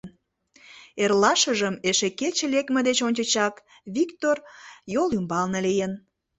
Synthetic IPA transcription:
n | erlɑʃəʒəmeʃeket͡ɕelekmĕd̪et͡ɕonʲt͡ɕət͡ɕɑk | βikt̪orjolymbɑlnelejen

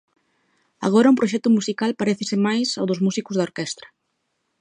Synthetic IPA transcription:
a̰ɣ̞oɾɐũmpɾoʃ̬ɛk̚t̪ʊmusikalpaɾeθɪsɪmajsawðʊzmusikʊzðaoɾkɛst̪ɾɐ̥

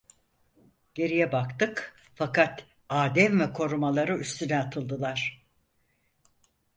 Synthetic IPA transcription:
ɟ̥e̞ɾijɛbakt̪ɯk | fakʰat̪ | aːd̪ɛmvɛkʰo̞ɾumalˠaɾɯyst̪ʰynɛat̪ʰɯlˠd̪ɯlˠaɾ̥

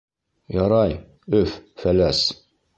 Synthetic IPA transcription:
jɑɾɑj | ɵffælæs

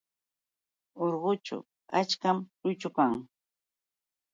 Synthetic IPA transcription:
oɾɢʊt͡ʃʊ̰ | a̰t͡ʃkamɾʊjt͡ʃʊkaŋ

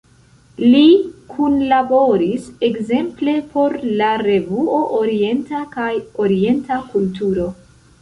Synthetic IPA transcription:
likʰunlabo̞ɾise̞kze̞mple̞pʰo̞ɾlaɾe̞vuo̞ʔoɾie̞ntakajoɾie̞ntakultuɾo̞

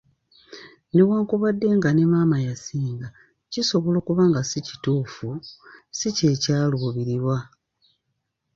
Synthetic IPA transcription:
ne̞waːŋkuβadːe̞ŋɡane̞maːmajasiːŋɡa | ciso̞βo̞lo̞ːkuβaːŋɡasici̥tuːfusicecaːlwoːβiɾiβwa

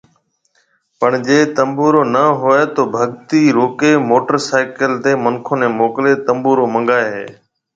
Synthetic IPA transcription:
pəɳd͡ʒeːt̪əmbuːɾoːnəɦʊeːt̪oːbʱəɠt̪iːɾoːkeːmoːʈəɾsaːɪkəlt̪eːməŋkʰoːnẽːmoːkleːt̪əmbuːɾoːmə̃ŋɠaːeɦḛː

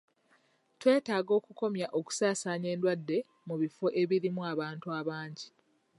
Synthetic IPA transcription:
twe̞ːtaːɡo̞ːkuko̞mjaʔo̞ku̥saːsaːɲe̞ːndwadːe̞ | muβifo̞ʔe̞βiɾimuaβaːntuaβaːɲɟi

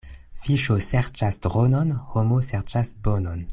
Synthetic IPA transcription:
fiʃoseʁt͡ʃasdʁononhomoseʁt͡ʃasbonon

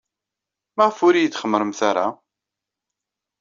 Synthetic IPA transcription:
mæʁəfʊɾijət͡sːχəmːɾəmθaɾa

